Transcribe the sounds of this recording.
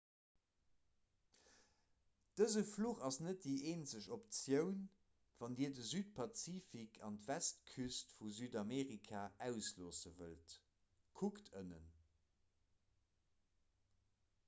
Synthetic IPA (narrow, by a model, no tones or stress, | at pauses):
d̥əzəfluːχɑsnət̚d̥iʔeːnt͡səɕopt͡sjəʊn | vɑndiːɐdəzyːt̚pʰɑt͡siːfikʰɑntvæstkʰystfuzyːdɑmeːʁikʰaːʔæʊsloːsəvəlt | kʰuktʰənə̰n